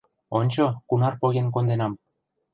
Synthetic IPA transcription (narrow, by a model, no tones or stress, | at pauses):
onʲt͡ɕokunɑrpoɣʲenk̬ond̪enɑm